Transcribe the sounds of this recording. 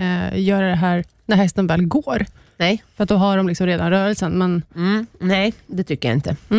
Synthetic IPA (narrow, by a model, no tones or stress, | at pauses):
jœːɾad̪ɛɦæːɾ | næɾhɛst̪ənvɛːlɡoːɾ | nɛjfœɾat̪̚d̪ɔɦaɖɔmlɪksɔmɾeːd̪anɾœːɾəlsənmɛnnɛjd̪ɛt̪ʰʏkːəɾja̰ɪ̰nt̪ə